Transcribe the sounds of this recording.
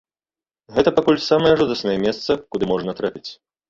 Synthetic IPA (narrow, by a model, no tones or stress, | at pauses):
ɣɛt̪ɐpakulʲsamɐjɛʐud̪ɐsnɐjɛmʲɛst̪sɐkud̪ɨmɔʐnɐt̪ɾapʲit͡sʲ